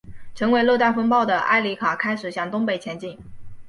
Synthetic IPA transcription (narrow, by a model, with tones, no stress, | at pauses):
ʈ͡ʂʰɤ˧˥ŋwe˧˥ɪlo˥˧t̪a˥˩nfɤ˥ŋpɑ˥˩ʊd̪ə˩ʔa̰˥ɪli˧˥kʰa˨˩kʰa˥ɪʂɻ̩˨˩ɕjɑ˥˩ŋt̪ʊ˥ŋpe˥˨˩ɪt͡ɕʰjɛ˧˥nt͡ɕi˥˩ŋ